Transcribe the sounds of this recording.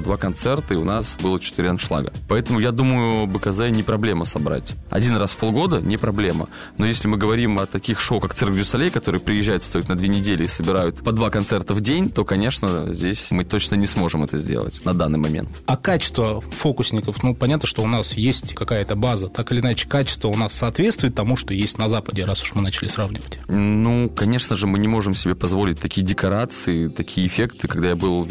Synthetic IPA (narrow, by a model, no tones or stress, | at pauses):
ɐd̪vakɐnt̪sɛrt̪əɪʊnasbɨlˠət͡ɕɪ̥t̪ɨɾʲanʂlˠa̰ɡə̰pɐɛt̪əmʊjad̪uməjʊbɨkɐzɛnʲɪpɾɐblʲe̞məsɐbɾa̰tʲɐ̰dʲinrasfpo̞lˠɡo̞d̪ənʲɪpɾɐblʲemə̰ | no̞jesʲlʲɪmɨɡəvɐɾʲimɐt̪ɐkʲixʂowkak̪sɨrɡvʲʊsɐlʲejkɐt̪o̞ɾɨjəpɾʲɪjɪʑːæjʊt̪st̪ɐjit̪nɐd̪vʲenʲɪdʲelʲɪːsəbʲɪɾajʊt̪pɐd̪vakɐnt̪sɛrt̪əvdʲenʲt̪o̞kɐnʲeʂnəzʲdʲesʲmɨt̪ot͡ɕnənʲɪsmo̞ʐɨmɛt̪əzʲdʲḛlˠə̰tʲnɐd̪anːɨjmɐmʲḛnt̪ɐkat͡ɕɪ̥st̪vəfo̞kʊsʲnʲɪkəfnupɐnʲat̪nəʂt̪o̞ʊnasjesʲtʲkɐkajət̪əbazət̪akɪlʲɪnat͡ɕɪ̥kat͡ɕɪ̥st̪vəʊnasːɐːt̪vʲet̪st̪vʊɪt̪ːɐmuʂt̪o̞jesʲtʲnɐzapədʲɪɾasʊ̥ʂmɨnat͡ɕɪlʲɪsravnʲɪvətʲnukɐnʲe̞ʂnəʐɨmɨnʲɪmo̞ʐɨmsʲɪbʲepɐzvolʲɪt̚ʲt̪ɐkʲijədʲɪkɐɾat̪sɨɪt̪ɐkʲijəɪfʲekt̪ɨkɐɡd̪ajabɨlˠ